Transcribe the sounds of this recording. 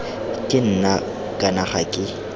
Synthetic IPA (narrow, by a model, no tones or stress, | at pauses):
tʼɪn̩na | kʼanaχakʼɪ